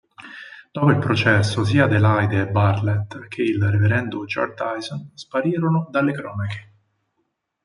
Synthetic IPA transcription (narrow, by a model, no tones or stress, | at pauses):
d̪̥ɔːpoilpɾot͡ʃɛsːos̬iːad̪elajd̪eːbːarlet̪ːk̟ʰeilreveɾɛnd̪ud͡ʒɔ̰rd̪ajzonspaɾiːɾonod̪alːekɾɔːnake̥